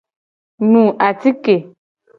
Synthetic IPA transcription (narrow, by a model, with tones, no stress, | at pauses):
nũ˨ʔa˨ti˦ke˨